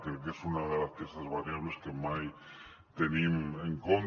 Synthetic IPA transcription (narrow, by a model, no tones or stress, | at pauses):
kekesunaðelaspjest̪azβaɾjaβleskemaj | t̪enimeŋkon